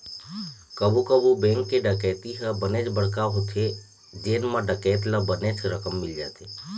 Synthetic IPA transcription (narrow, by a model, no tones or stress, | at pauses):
kəbukəbubɛ̃ːŋkːeɖəkɛːt̪iɦəbənet͡ʃbəɽ̤kaɦot̪ʰe | d͡ʒeːnmãɖəkɛːt̪labənet͡ʃɾəkəmːɪld͡ʒa̰ːt̪eː